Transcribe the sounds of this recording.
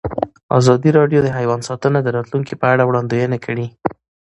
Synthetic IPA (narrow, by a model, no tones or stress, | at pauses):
ɑ̰zɑd̪iɾɑɖjod̪əɦajwɑnsɑt̪ənad̪əɾɑt̪luŋkipəaɽawɽɑnd̪ojənakʰəɽi